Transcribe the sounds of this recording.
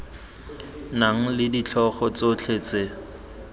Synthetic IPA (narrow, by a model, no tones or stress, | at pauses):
naŋ̩lɪdit͡ɬʰɔχɔt͡sot͡ɬʰeːt͡se